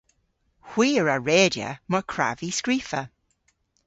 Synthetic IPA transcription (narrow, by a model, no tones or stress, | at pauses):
hwiːəɹəɹeːdə̰məɹkʰɹa̰viskɹiːfə